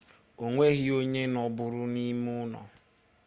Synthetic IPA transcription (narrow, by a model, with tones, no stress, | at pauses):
o˨ŋʷe˦ɣi˦o˦ɲe˦nɔ˨bʊ˨ɾʊ˦ni˦mu˦nɔ̰˨